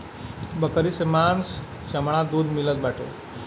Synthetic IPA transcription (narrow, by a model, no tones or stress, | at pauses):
bəkəɾisemans | ɕəmɳ̃ãd̪uːd̪milət̪baʈʰḛ